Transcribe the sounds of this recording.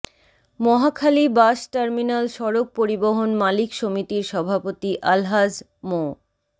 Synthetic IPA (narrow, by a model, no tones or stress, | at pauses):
mɔɦakʰalibaʃʈaɾminalʃɔɾok̚poɾiboɦonmalikʃomit̪iɾʃɔbʱapot̪iʔalɦad͡ʑ | mo